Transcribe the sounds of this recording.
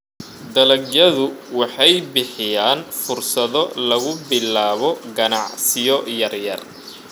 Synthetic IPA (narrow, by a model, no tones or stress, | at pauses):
d̪ɐlɐɡjɐðʊwɑħɑjbɪħɪjaːnfʊrsɐðɔlɐɣʊbɪlaːβɔɡɐnɑʕsɪjɔjɐrjɐr